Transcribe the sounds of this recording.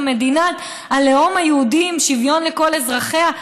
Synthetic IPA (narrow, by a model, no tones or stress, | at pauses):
me̞d̪inat̪ | aleo̞majeud̪imʃivjo̞nleko̞le̞zʁaχea